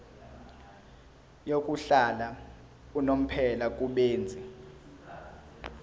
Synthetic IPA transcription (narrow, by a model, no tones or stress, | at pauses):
jokʼuɬala | unom̩pʰɛlak̬ʼuɓeːnd͡zʱi